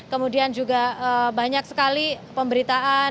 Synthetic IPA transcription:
kəmudiand͡ʒuɡaəbaɲak̚sə̥kalipəmbəɾit̪aa

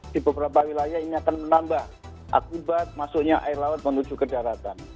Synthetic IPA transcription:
dibəbəɾapawilajainiakanmənambah | ʔa̰kubat̪̚masʊkɲaʔaɪrlaʊt̪̚mənud͡ʒukədaɾat̪an

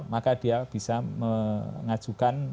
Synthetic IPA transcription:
makad̥iab̥isaməŋḁd͡ʒ̥ukan

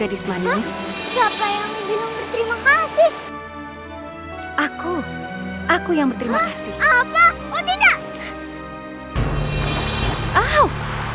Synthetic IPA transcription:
adismanssiapajaŋbənʊŋbərt̪əɾimakasɪh | ʔaku | ʔakujaŋbərt̪əɾimakasɪhapa | ut̪idaʔ | aw

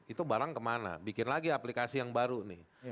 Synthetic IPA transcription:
it̪ubaɾaŋkəmana̰bikɪnlaɡiaplikasijaŋbaɾunɪh

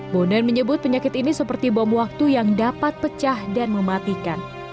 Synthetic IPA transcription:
bodɛnməɲəbʊt̪̚pəɲakɪt̪inisəpərt̪ibɔmwak̚t̪ujaŋdapat̪̚pət͡ʃahdanməmat̪ikan

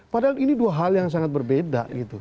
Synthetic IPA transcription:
padainiduaɦaljaŋs̬aŋat̪̚bərbeda̰ɡit̪u

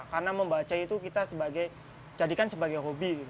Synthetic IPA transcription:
karənaməmbat͡ʃait̪ukit̪asəbaɡaj | d͡ʒadikansəbaɡajɦobiɡit̪

